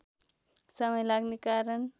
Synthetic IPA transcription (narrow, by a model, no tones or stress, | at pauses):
səməjlaɡnikaɾəɳ